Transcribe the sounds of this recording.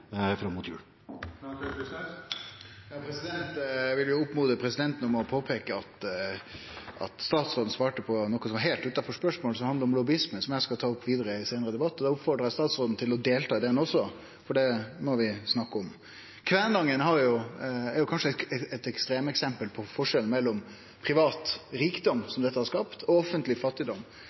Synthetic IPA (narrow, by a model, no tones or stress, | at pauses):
fɾɑmːʊt̪ʰjʉ̰ːl | jɑpʰɾɛsɪd̪ɛnt̪ʋɪljʊʊpmuːd̪əpʰɾɛsɪd̪ɛnt̪n̩ɔmɔpʰoːpʰeːkəɑt̪ | ʔɑ̰t̪st̪ɑːt̪sɾoːd̪n̩sʋɑːʈəpʰɔnɔkːəsɔmɑɦɛːlt̪ʉːt̪ɑnfɔʂpœʂmoːləsɔmɑnd̪əɾɔmlɔbɪɪsmənsɔmjæɪskɑlt̪ʰɑːʊpːʋiːd̪əɾəɪseːnəɾəd̪ɛbɑt̪ːɔd̪ɛʊpfɔɾɖɾɑjæst̪ɑːt̪sɾoːd̪n̩t̪ʰɪlɔd̪eːlt̪ʰɑːd̪ɛnɔsːɔ | fɔɖɛmɔʋɪsnɑkːəɔm | kʰʋæːnɡ̪ɑŋːənɦɑɾjʊɛɾjʊkʰɑnʂəɛɛɛt̪ɛkst̪ɾeːməɛksɛmpəlpʰɔfɔʂɛln̩mɛlːɔm | pʰɾɪʋɑːt̪ɾiːkd̪ɔmsɔmd̪ɛt̪ːəhɑɾʂkɑpt̪ʰɔɔfːənt̪lɪfɑt̪ːɪd̪ɔmː